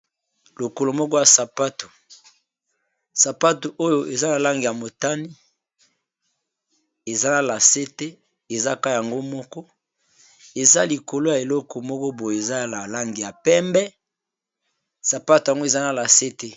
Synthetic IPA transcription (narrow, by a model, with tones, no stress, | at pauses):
lo˨ko˨lo˨mɔ˦kɔ˦ja˨sa˨pa˦to̥˨ | sa˨pa˦to˨ʔo˦jo˦ʔe˨za˦na˨la˦ŋɡi˨ja˨mo˨ta˦ni˦ | e˨za˦na˨la˨se˦te˦ | e˨za˦ka˦˨ja˨ŋɡo˦mɔ˦kɔ˦ | e˨za˦li˨ko˨lo˦ja˨e˨lɔ˦kɔ˨mɔ˦kɔ˦bo˨je˨za˦˨la˨la˦ŋɡi˨ja˨pɛ˦mbɛ˦ | sa˨pa˦to˨ja˨ŋɡo˦e˨za˦na˨la˨se˦te˦